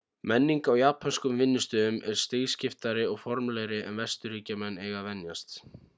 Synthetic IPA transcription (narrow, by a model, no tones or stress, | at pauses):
mɛnːiŋkawjapʰanskʏmvɪnːʏst̪ʏʏmɛɾ̥st̪eːscɪft̪aɾɪɔɣfɔɾmlɛɣɾɪʔɛnvɛst̪ʏɾiːcamɛnːeːjɣavɛnjast̪